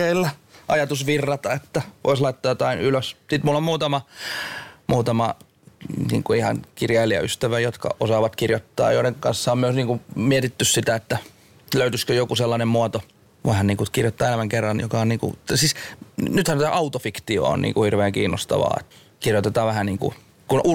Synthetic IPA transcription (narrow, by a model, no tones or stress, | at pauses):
eilːæʔɑjɑt̪usʋirːɑt̪ɑet̪ːæʋʔo̰ˑislɑit̪ːɑːjot̪ɑinyløssit̪mulːommuːt̪ɑmɑ | muːt̪ɑmɑ | nḭːŋkuihɑ̰nkirjɑiliæ̰yst̪æʋæjot̪kɑ̰ʔosɑːʋɑt̪kirjot̪ːɑ̰ːjoiɾeŋkɑnsːɑommyøsniːŋkumiet̪it̪ːyssit̪æet̪ːæ | løyt̪yskøjokuselːɑnemmuɑt̪o | ʋoihɑnniːŋkukirjot̪ːɑːelæmæŋkerːɑnjokɑonniːŋkṵt̪siːsnyt̪hænt̪t̪æ̰ʔɑut̪ofikt̪io̰o̰nnḭːŋkuhirʋeːŋkiːnːo̰st̪ɑ̰ʋɑ̰ːḛt̪ | kirjot̪et̪ɑːʋʋæhænniːŋkṵ | kunʔu